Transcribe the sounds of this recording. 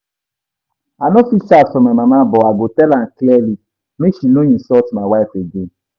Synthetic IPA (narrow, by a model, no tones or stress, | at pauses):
anofisasɔmamamabɔaɡotɛlan̩kliɛli | meʃinoɲĩsɔtmawaɪfeɡen